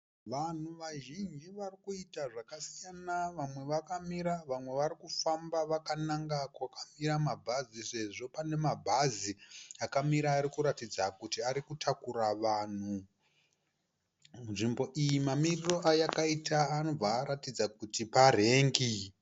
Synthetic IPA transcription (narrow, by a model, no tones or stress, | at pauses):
ʋan̤uʋaʒind͡ʒiʋarikuitaʐakasijanaʋamwe̞ʋakamiɾaʋamwe̞ʋaɾikufambaʋakanaŋɡakwakamiɾamabʱazise̞ʐo̞pane̞mabʱaziakamiɾaːɾikuɾatid͡zakutiaɾikutʰakuɾaʋaːn̤u | munʐimbo̞ʔijimamiriro̞ʔajakaitaano̞b͡vaːɾatid͡zakutipare̞ːŋɡi